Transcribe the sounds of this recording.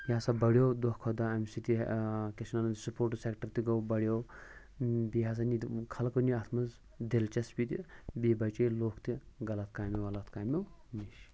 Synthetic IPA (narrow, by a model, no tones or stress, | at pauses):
jasabɐɽjowd̪ɔhkʰod̪aɐmʲsit̪ḭkʲesnanɐsupoːɾʈsekʈɐɾt̪iɡɐwbɐɽjow | bijas̬anikʰɐlkɐniɐt̪ʰmɐz | d̪elt͡ʃɐspʲit̪ʲibiːbɐt͡ʃeloːkʰt̪iɡɐlɐt̪̚ʰkaːmewɐlɐt̪ʰkaːjmʲew | miʃ